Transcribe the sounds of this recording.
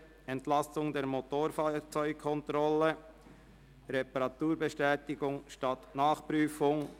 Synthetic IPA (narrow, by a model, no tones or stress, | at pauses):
ɛntlɑsʊŋdeːɾmotoːɾfaːt͡sɔʏɡ̚kʰɔntɾɔlə | ɾɛpɑɾɑtuːɾbeʃtɛːtɪɡʊŋʃtɑtnaːχpɾyːfʊŋ